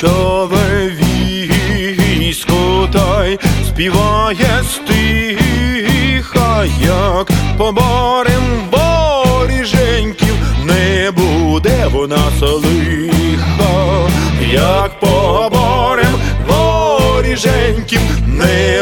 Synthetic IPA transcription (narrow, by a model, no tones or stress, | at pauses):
t̪ɔʋɛʋʲiɦi | sʲkɔt̪ɑjsʲpʲiʋɑjɛst̪ɪɦixɐjakpɔbɔɾɛmʋɔɾʲiʒɛnʲkʲiwnɛbud̪ɛʋɔnɑsɔlˠɪxɐ | jɐk̚pɔbɔɾɛmʋɔɾʲiʒɛnʲkʲiwnɛ